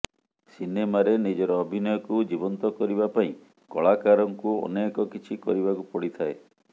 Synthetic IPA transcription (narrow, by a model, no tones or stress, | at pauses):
sinemaɾenid͡ʒɔɾɔːbʱinɔjɔkud͡ʒibɔnt̪ɔkɔɾibapaĩ | kɔɭakaɾɔŋkuɔ̰nekɔkit͡ʃʰikɔ̰ɾibakupɔɽit̪ʰae